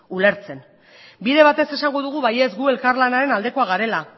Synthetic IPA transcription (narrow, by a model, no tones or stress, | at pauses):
ule̞ɾt͡se̞n | biðe̞β̞at̪e̞se̞saŋɡo̞ðuɣ̞uβaje̞zɡue̞lkaɾlanaɾe̞nald̪e̞ko̞aɣ̞aɾe̞la